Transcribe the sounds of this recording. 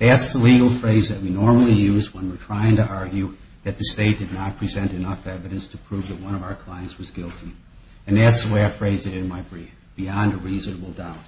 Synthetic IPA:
ðætsðəliɡl̩ˠfɹeɪzðɨt̚winɔɹml̩ˠijʉzwə̃nwɨɹtʰɹ̥aɪɪ̃ŋtɨʔɑɹɡjʉ | ðɨt̪̚ðɨsteɪt̚d̥ɨdⁿnət̚pʰɹ̥izɛ̃ntɨnʌfɛvɨɾɨ̃nstʰəpʰɹ̥uvðɨt̚wʌ̃ɾ̃ʌvaʊə˞kʰl̥ãɪɨ̃nswʌzɡɪlˠtʰi | ɨ̃nðætsðəweɪaɪfɹeɪzɨɾɨ̃nmaɪbɹif | b̥iɑ̃ndəɹizənəbl̩ˠdaʊt̚

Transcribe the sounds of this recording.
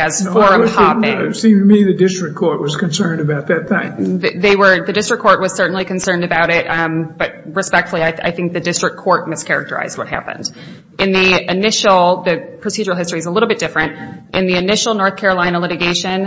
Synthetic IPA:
ɨz̥fɔɹʌvhæ̃sĩmtmiðɨdɪstɹ̥ɨkʰɔɹʔ̚wʌz̥kɨ̃nsɜ̃˞ndɨbaʊt̪̚ðɨt̪̚θɪ̃ŋððeɪwə˞ðɨdɪstɹ̥ɨkʰːɔɹʔ̚wʌz̥sɜ˞ʔn̩likɨ̃n̩sɜ̃˞ndɨbaʊɾɪt̚b̥ʌt̚ɹɨspɛk̚tfl̩ˠiaɪa̰ɪθɪ̃ŋk̚ðɨdɪstɹ̥ɨkʰːɔɹt̚mɪskʰɛɹɨ̰k̚tə˞a̰ɪz̥d̚wʌt̚hæ̰pɨ̰̃nd̥ | ʔɨ̃nðiɨnɪʃl̩ˠðɨpʰɹ̥ɨsid͡ʒə˞l̩ˠhɪstɹ̥iɨzəlɪɾl̩ˠbɪt̚d̥ɪfɹɨ̃nt̚ʔɨ̃nðiɨnɪʃl̩ˠnɔɹθkʰɛɹəlãɪ̃nəlɪɾɨɡeɪʃɨ̃n

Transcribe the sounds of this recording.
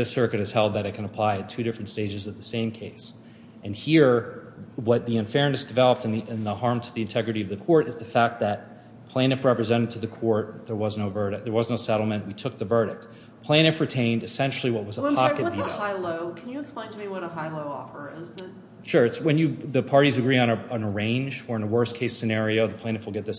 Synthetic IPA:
ðɪsɜ˞kɨɾɨz̥hɛlˠd̪̚ðɨɾɨt̚kʰɨ̃nəpʰl̥aɪɨtʰʉɾɪfɹɨ̃ntsteɪd͡ʒɨzʌvðɨsẽɪ̃mkʰeɪs | ʔɨ̃nhiɹ | wʌt̪̚ðiɨ̃ɱfɛɹɨ̃nɨsd̥ɨvɛlˠəp̚tɨ̃niʔnðəhɑɹmtʰɨðiɨ̃ntʰɛɡɹɨɾiʌvðɨkʰɔɹɾɨzðɨfæk̪̚ðɨt̚ | pʰl̥æ̃ñɨfɹɛpɹɨzɛ̃ɾ̃ɨd̚tʰɨðɨkʰɔɹt̪̚ðə˞wʌznoʊvɜ˞ɾɨk̚ðə˞wʌznoʊsɛɾl̩ˠmɨ̃nʔwitʰʊk̚ðɨvɜ˞ɾɨk̚t | pʰl̥æ̃ɾ̃ɨfɹitʰẽɪ̃ndɨsɛ̃nʃl̩ˠiwʌt̚wʌzəpʰɑɨt̚əhaɪloʊkʰɨ̃njɨːksplẽɪ̃ntʰɨmiwʌɾəɦaɪloʊɔ̰fə˞ɪzɨt | ʃʊɹɨtswɨ̃njɨðɨpʰɑɹɾizɨɡɹiɨ̃nəə̃nə˞ẽɪ̃nd͡ʒə˞ɨ̃nəwɜ˞skʰeɪsɨnɛɹioʊðəpʰl̥æ̃ñɨfwl̩ˠɡɛt̪̚ðɪs

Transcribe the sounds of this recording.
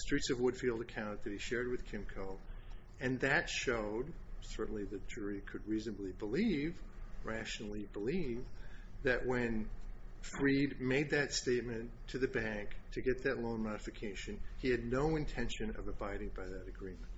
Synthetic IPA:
stɹ̥itsʌvwʊd̥filˠdɨkʰãʊ̃nɨt̪̚ðɨt̚hiʃɛɹd̚wɨð̥kʰɪ̃mkʰoʊ | ɨ̃nðɨtʃoʊd̚sɜ˞ʔn̩liðɨ̥d͡ʒ̥ʊɹikʰɨd̚ɹiznəblibəlivɹæʃnl̩ˠibəlivðɨʔ̚wɨ̃nfɹid̚meɪd̪̚ðɨtsteɪt̚mɨ̃ntʰɨðɨbæ̃ŋktʰɨɡɛt̪̚ðɨtˡlõʊ̃nmɑɾɨfɨkʰeɪʃɨ̃niɨdⁿnoʊɨ̃ntʰɛ̃nʃɨ̃nʌ̰vəbaɪɾɪ̃ŋbaɪðɨɾɨɡɹĩmɨ̃nt̚

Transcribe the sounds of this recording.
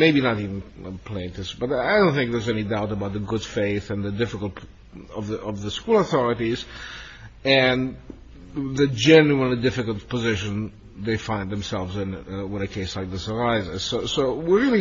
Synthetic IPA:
meɪbinətivə̃n̩pʰl̥ẽɪ̃ntɪsb̥ʌɾaaɪdõʊ̃nθɪ̃ŋk̚ðə˞zɛnidaʊtəbaʊt̪̚ðəɡʊd̥feɪθɨ̃nðədɪfɪkəlˠt | ʌvðəɔvðəskulˠəθɔɹɨtiz | ɨ̃n | ðɨd͡ʒɛnjuə̃nlidɪfɨkəl̩ˠt̚pəzɪʃɨ̃n | ðeɪfãɪ̃nðɛ̃msɛlˠvzɪ̃nwɪ̃nɨkʰeɪslaɪk̚ðəsə˞aɪzɪz̥soʊsoʊwiɹilˠi

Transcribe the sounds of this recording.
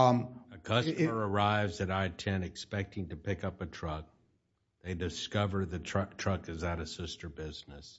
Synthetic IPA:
ɨkʰʌsmə˞ə˞aɪvzɨɾaɪtʰɛ̃nɨkspɛk̚tɪ̃ŋtɨpɪkʌpɨtʰɹ̥ʌk̚ | ðeɪdɨskʌvə˞d̪̚ðɨtʰɹ̥ʌtʰɹ̥ʌkɨzɨɾɨsɪstə˞bɪznɨs

